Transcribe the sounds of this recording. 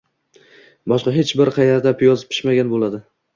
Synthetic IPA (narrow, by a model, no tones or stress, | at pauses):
bɒʃqɑɦet͡ʃbɪɾqʰɑjaɾd̪apʰjɒzɪpʰɪ̥ʃmaɡʲanbolad̪ɪ